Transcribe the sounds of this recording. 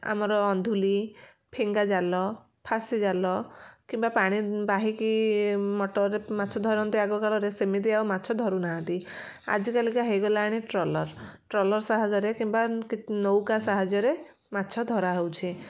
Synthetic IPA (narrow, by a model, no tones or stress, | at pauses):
a̰mɔɾɔːnd̪ʱuli | pʰeŋɡad͡ʒalɔ | pʰasid͡ʒalɔkimbapaɽ̃ibaɦikimɔʈɔɾɾemat̪ːt͡ʃʰɔd̪ʱɔɾɔnt̪iaɡɔkaɭɔɾesemid̪iawmatːt͡ʃʰɔd̪ʱɔɾunaɦãnt̪i | a̰d͡ʒikalikaɦejɡɔlaːɽ̃iʈɾɔlɔɾʈɾɔlɔɾsaɦad͡ʒɔɾekimbakinowkasaɦad͡ʒɔɾe | matːt͡ʃʰɔd̪ʱɔɾaɦewt͡ʃʰi